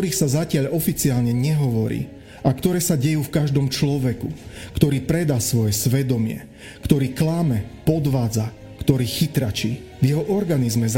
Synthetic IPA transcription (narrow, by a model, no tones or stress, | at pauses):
ɾiːxsazacɪaʎɔfit͡siaːlɲɛɲɛɦɔʋɔɾḭː | ʔakt̪ɔɾɛːsaɟɛjuːfkaʒd̪ɔmt͡ʃlɔʋɛkṵkt̪ɔɾiːpɾɛd̪asʋɔjɛsʋɛd̪ɔmɪɛ̰ | kt̪ɔɾiːklamɛpɔd̪ʋaːd͡za | kt̪ɔɾiːxit̪ɾat͡ʃiː | vjɛɦɔʔɔɾɡanizmɛz